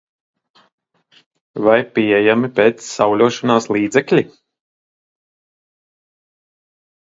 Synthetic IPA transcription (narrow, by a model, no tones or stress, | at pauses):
vajpiɛjamipeːt̪sːawlʲuɔʃɔnaːslˠiːd̪zɛklʲi